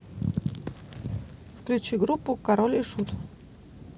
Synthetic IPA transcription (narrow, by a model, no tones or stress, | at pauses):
fklʲʉt͡ɕiɡɾupːʊkɐɾolʲiʂut̪